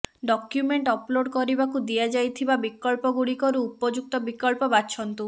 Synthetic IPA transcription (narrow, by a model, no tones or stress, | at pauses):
ɖɔkjumeɳʈɔploɖkɔɾibakud̪iad͡ʒajt̪ʰibabikːɔlpɔɡuɽikɔɾuupɔd͡ʒuk̚t̪ɔbikɔlpɔbatːʃʰɔnt̪u